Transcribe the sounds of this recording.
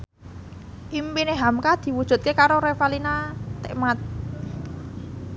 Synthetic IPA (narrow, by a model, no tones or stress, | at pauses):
ʔimpineɦamkad̪̥i̤wud̥ʒ̥ṳt̪̚kekaɾoɾefalinat̪eʔmat̪̚